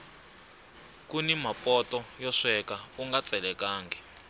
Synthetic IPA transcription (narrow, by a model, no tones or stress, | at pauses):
kunimapʼɔtʼɔjɔʂɛkauŋɡat͡sʼɛlɛkaːŋɡɛ